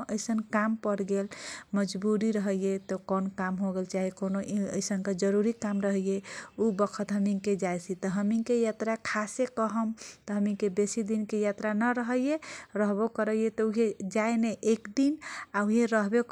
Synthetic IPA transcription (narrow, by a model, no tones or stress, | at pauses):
əɪsənkampəɾɡelməd͡ʒbuɾiɾəɦəjet̪ɔkɔnkamɦoɡelt͡ʃaɦikonoʔə̰jsənkad͡ʒəɾuɾikamɾəɦəjeubəkʰət̪ɦəmiked͡ʒajsit̪ɔɦəmikejat̪ɾakʰasekəɦəmt̪ɔɦəmikebesid̪inkejat̪ɾanəɾəɦəjjeɾəɦbokəɾəjet̪ɔuɦed͡ʒaeneʔekd̪inauɦieɾəɦbe